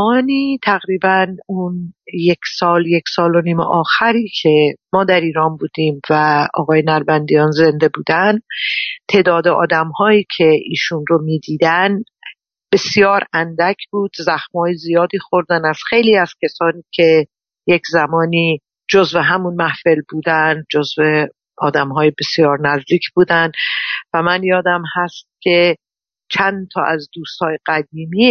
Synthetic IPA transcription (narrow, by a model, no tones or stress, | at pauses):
ɒːniːt̪ʰæɣɾiːbænunje̞kʲʰsɒːljeksɒːlo̞niːmḛʔɒːxæɾiːcʰe̞mɒːd̪æɾiːɾɒːnbuːd̪iːmvæɒ̰ːɣɒːjenæɾbænd̪ijɒːnze̞nd̪e̞buːd̪ænd̪t̪ʰe̞ːd̪ɒːd̪eʔɒ̰ːd̪æmhɒːiːcʰe̞iːʃunɾo̞miːd̪iːd̪æn | b̥e̞sijɒːɾænd̪æcʰb̥uːd̪̥zæxmhɒːjezijɒːd̪iːxo̞ɾd̪ænæz̥xe̞jliːæz̥cʲʰesɒːniːcʲʰe̞ | jecʰzæmɒːniː | d͡ʒozveɦæmunmæhfelbuːd̪ænd͡ʒozve | ɒːd̪æmɦɒːjebe̞sjɒːɾnæzd̪iːcʰb̥uːd̪ænd̪væmænjɒːd̪æmhæst̪̚cʰʲe̞ | t͡ʃʰænt̪ʰɒ̰ːʔæzd̪uːst̪hɒːjeɡ̥æd̪iːmiː